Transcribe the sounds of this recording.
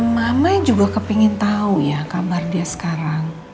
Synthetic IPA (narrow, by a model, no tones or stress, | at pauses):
mamad͡ʒuɡakəpiŋɪnt̪aujakabardiasə̥kaɾaŋ